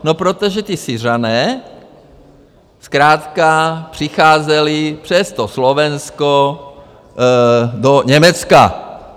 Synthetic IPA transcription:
nopɾot̪oʒɛt̪ɪsɪr̝anɛː | skɾaːt̪kapr̝̥ɪxaːzɛlɪpr̥ɛst̪oslovɛnsko | doɲɛmɛt͡ska̰

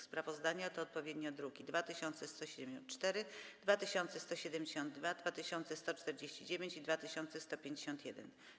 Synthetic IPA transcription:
spɾavɔzd̪aɲat̪ɔːt̪̚pɔvʲjed̪ɲɔd̪ɾuɡʲid̪vat̪ɘɕɔnt̪sɛst̪ɔɕɛd̪ɛnt͡ʂt̪ɛɾɘd̪vat̪ɘɕɔnt̪sɛst̪ɔɕɛd̪ɛmd͡ʑeɕɔ̃nd̪̚ːvad̪vat̪ɘɕɔnt̪sɛst̪ɔt͡ʂt̪ɛɾd͡ʑeɕt͡ɕid͡ʑevʲjeɲt͡ɕid̪vat̪ɘɕɔnt̪sɛst̪ɔpʲjẽɲd͡ʑeɕɔ̃nt̪jɛd̪ɛ̰n

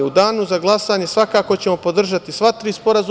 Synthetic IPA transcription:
ud̪aːnuzaɡlˠasaːɲe̞sʋakaːko̞t͡ɕe̞mo̞po̞d̪r̩ʒat̪isʋat̪ɾiːspo̞ɾaz

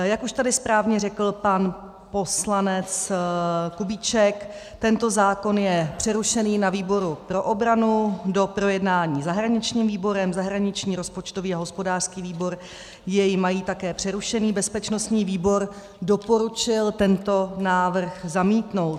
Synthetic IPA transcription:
jakuʃt̪adɪspɾaːvɲɛrɛkl̩pan | po̞slanɛt͡s | kubiːt͡ʃɛk | t̪ɛnt̪ozaːko̞njɛpr̥ɛɾuʃɛniːnaviːbo̞ɾupɾo̞ʔobɾanudo̞pɾo̞jɛdnaːɲiːzaɦɾaɲɪt͡ʃɲiːmviːbo̞ɾɛmzaɦɾaɲɪt͡ʃɲiːɾospo̞t͡ʃt̪o̞viːaɦo̞spo̞daːr̥skiːviːbo̞ɾ | jɛjɪmajiːt̪akɛːpr̝̥ɛɾuʃɛniːbɛspɛt͡ʃno̞st̪ɲiːviːbo̞ɾ | do̞po̞ɾut͡ʃɪlt̪ɛnt̪o̞naːvr̩xzamiːt̪no̞wt̪

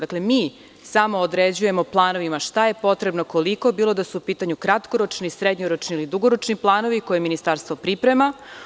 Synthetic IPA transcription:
d̪akle̞miː | samo̞ːd̪ɾed͡ʑuje̞mo̞plˠaːno̞ʋimaʃt̪aje̞po̞t̪ɾebnoko̞liko̞biːlˠo̞d̪asuupiːt̪aɲukɾat̪koɾo̞t͡ʃnisɾed̪ɲoɾot͡ʃniilid̪uɡoɾot͡ʃniplˠaːno̞ʋiko̞jeminist̪aːɾst̪ʋo̞pɾipɾe̞ma

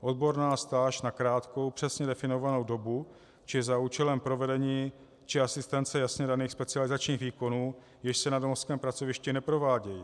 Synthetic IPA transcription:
ʔo̞d̪̚bo̞ɾnaːst̪aːʃnakɾaːt̪ko̞wpr̝̥ɛsɲɛdɛfɪno̞vano̞wdo̞bu | t͡ʃɪzauːt͡ʃɛlɛmpɾo̞vɛdɛɲiː | t͡ʃɪasɪst̪ɛnt͡sɛjasɲɛdaniːxspɛt͡sɪalɪzat͡ʃɲiːɣviːko̞nuː | jɪʃsɛnadomofskɛːmpɾat͡so̞vɪʃcɪnɛpɾo̞vaːɟɛji

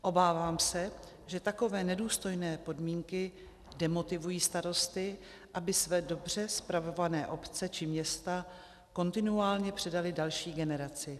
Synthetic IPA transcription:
ʔo̞baːvaːmsɛ | ʒɛt̪ako̞vɛːnɛduːst̪o̞jnɛːpo̞dmiːŋkɪ | dɛmo̞t̪ɪvujiːst̪aɾo̞st̪ɪ | ʔabɪsvɛːdo̞br̝ɛspɾavo̞vanɛːʔo̞pt͡sɛt͡ʃɪmɲɛst̪a | ko̞nt̪ɪnuaːlɲɛpr̥ɛdalɪdalʃiːɡɛnɛɾat͡sɪ

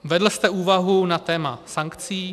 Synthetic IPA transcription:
vɛdl̩st̪ɛuːvaɦunat̪ɛːmasaŋkt͡siː

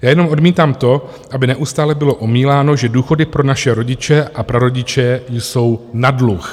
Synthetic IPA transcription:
jaːjɛno̞mʔo̞dmiːt̪aːmt̪o̞ | ʔabɪnɛʔust̪aːlɛbɪlo̞ʔomiːlaːno̞ʒɛduːxo̞dɪpɾo̞naʃɛɾo̞ɟɪt͡ʃɛʔapɾoɾo̞ɟɪt͡ʃɛjso̞wnadlux

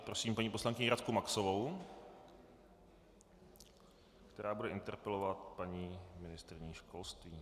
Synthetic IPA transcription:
pɾosiːmpaɲiːpo̞slaŋkɪɲɪɾat̪kumaksovow | kt̪ɛɾaːbudɛʔɪnt̪ɛɾpɛlovat̪paɲiːmɪnɪst̪ɾɪɲiːʃkʰo̞lst̪viː

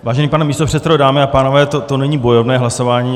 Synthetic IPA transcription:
vaːʒɛniːpanɛmiːst̪o̞pr̝̥ɛt̪sɛdodaːmɪapaːno̞vɛːt̪ot̪onɛɲiːbo̞jovnɛːɦlaso̞vaːɲiː

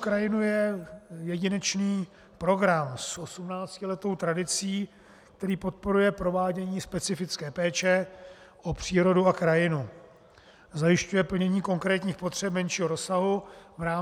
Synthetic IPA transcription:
kɾajɪnujɛjɛɟɪnɛt͡ʃniː | pɾo̞ɡɾamsʔo̞sumnaːt͡scɪlɛt̪o̞wt̪ɾadɪt͡siː | k̚t̪ɛɾiːpo̞t̪̚po̞ɾujɛpɾo̞vaːɟɛɲiːspɛt͡sɪfɪt͡skɛːpɛːt͡ʃɛʔopr̝̥iːɾo̞duakɾajɪnu | zajɪʃcujɛpl̩ɲɛɲiːko̞ŋkɾɛːt̪ɲiːxpo̞t̪r̝̥ɛpmɛnʃiːɦoɾo̞saɦuvɾaː

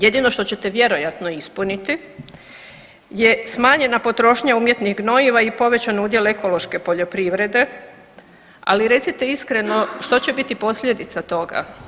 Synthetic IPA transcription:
je̞d̪ino̞ʃt̪o̞t͡ɕe̞t̪e̞ʋje̞ɾo̞jat̪no̞ispunit̪i | jesmaːɲe̞napo̞t̪ɾo̞ːʃɲauːmje̞t̪niɦɡno̞iʋaipo̞ʋe̞t͡ɕanud̪jeleko̞lo̞ʃke̞po̞ʎo̞pɾiʋɾe̞d̪e̞ | a̰liɾe̞t̪sit̪e̞iskɾe̞no̞ʃt̪o̞t͡ɕe̞bit̪ipo̞sʎʲe̞d̪it̪sat̪o̞ɡa̰

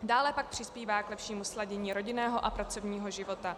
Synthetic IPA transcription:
daːlɛpak̚pr̥ɪspiːvaːklɛpʃiːmuslaɟɛɲiːɾo̞ɟɪnɛːɦoʔapɾat͡so̞vɲiːɦo̞ʒɪvo̞t̪a

